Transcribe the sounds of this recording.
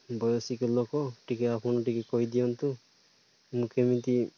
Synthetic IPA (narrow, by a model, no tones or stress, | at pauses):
bɔjɔsikɔlɔkɔʈikɛapʰɔnɔʈikɛkɔjd̪ijɔnt̪u | mukʰemint̪i